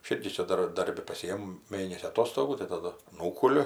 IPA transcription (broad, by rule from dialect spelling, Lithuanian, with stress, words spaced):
ɐʃ ˈɪrʲɡʲɪ ˈt͡ʃʲɛ ˈdɐr ˈdɐrʲbʲɪ pɐˈsʲɪjɛm ˈmʲeːnʲɛsʲiː ɐˈtoːstoːɡuː tɐɪ tɐˈdʊ ˈnuːkʊlʲʊ